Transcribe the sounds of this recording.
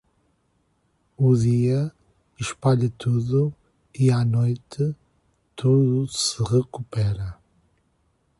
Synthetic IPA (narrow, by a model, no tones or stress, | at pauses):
uðiɐ | iʃpaʎɐt̪ʰuðu | ianojt̪ʰɨ | t̪ʰuðusɨʁɨkupɛɾɐ